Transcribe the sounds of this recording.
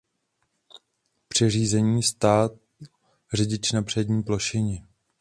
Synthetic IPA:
pr̝̥ɛriːzɛɲiːst̪aːt̪̚ | rɛɟɪt͡ʃnapr̝̥ɛdɲiːploʃɪɲɪ

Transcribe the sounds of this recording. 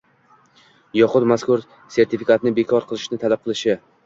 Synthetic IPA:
jɒqʊd̪maskʊɾ | se̞ɾt̪ʰɪfikat̪nɪbekʰɒɾqʰɨlˠɪʃnɪt̪ʰalap̚qʰɨlˠɪʃɪ

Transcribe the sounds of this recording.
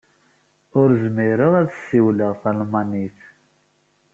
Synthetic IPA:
ʊɾzmiɾəʁæθə̥sːiwləʁθælmɑniθ

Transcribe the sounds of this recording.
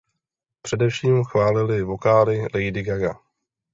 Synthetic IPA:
pr̥ɛdɛfʃiːmxvaːlɪlɪvo̞kaːlɪlɛjdɪɡaɡa

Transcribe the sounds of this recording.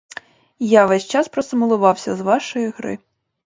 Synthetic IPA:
jaʋɛsʲt͡ʃɑspɾɔsɪmʊlˠʊʋɑwsʲɐzʋɑʃɔjiɣɾɪ̰

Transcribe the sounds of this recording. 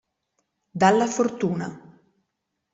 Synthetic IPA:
d̪alːafort̪uːna̰

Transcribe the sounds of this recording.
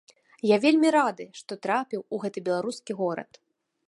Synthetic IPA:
javʲelʲmʲiɾad̪ɨʂt̪ɔt̪ɾapʲiwuɣɛt̪ɨbʲɛlˠaɾuskʲiɣɔɾɐ̰t̪

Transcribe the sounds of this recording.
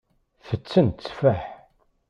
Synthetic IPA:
θət͡sːənt̪t͡sːfæħ

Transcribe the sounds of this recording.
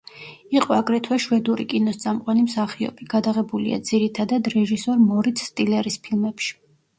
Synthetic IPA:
iqʼɔaɡɾɛt̪ʰwɛʃwɛd̪uɾḭkʼinɔst̪sʼamqʼwanimsaχiɔ̰biɡ̥ad̪aʁɛbulḭa̰d̪z̥iɾit̪ʰad̪ad̪ɾɛʒisɔɾmɔɾit̪ʰst̪ʼilɛɾispʰilˠmɛpʃi̥

